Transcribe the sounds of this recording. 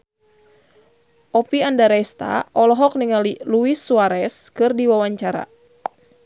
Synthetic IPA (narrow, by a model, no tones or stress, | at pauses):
ʔɔpiandaɾajst̪a̰ʔɔlɔɦɔk̚niŋaliluisːuaɾɛskɨrdiwawaɲt͡ʃaɾa̰